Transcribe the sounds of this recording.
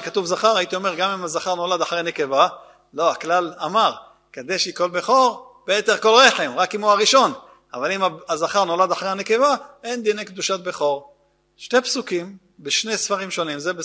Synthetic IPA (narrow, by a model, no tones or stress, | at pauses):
kat̪uvzaχaʁait̪io̞meʁɡamimazaχaʁno̞lad̪aħʁeneke̞va | lo̞aklalamaʁ | kad̪eʃiko̞lbeχo̞ʁ | b̥eeteʁko̞lʁe̞ħe̞mʁakimoaʁiʃo̞n | a̰valimaazaχaʁno̞lad̪aħʁeaneke̞vae̞nd̪inejkd̪uʃat̪̚beχo̞ʁ | ʃte̞psukim | beʃnesfaʁimʃo̞nimzebe